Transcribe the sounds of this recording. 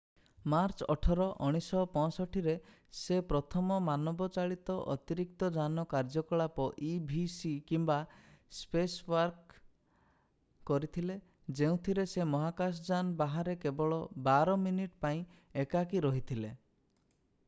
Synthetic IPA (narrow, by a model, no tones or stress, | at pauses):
maɾt͡ʃɔʈʰɔɾɔʔɔɽ̃isɔpɔ̃sɔʈʰiɾe | sepɾɔt̪ʰɔmɔmanɔbɔt͡ʃaɭit̪ɔʔɔt̪iɾik̚t̪ɔd͡ʒanɔkaɾd͡ʒɔkɔɭapɔʔibʱisikimbaspeswaɾk | ɔɾit̪ʰile | d͡ʒeũt̪ʰiɾesemɔɦakas̬d͡ʒanbaɦaɾekebɔɭɔbaɾɔminiʈpaĩ | ekakiɾɔɦit̪ʰile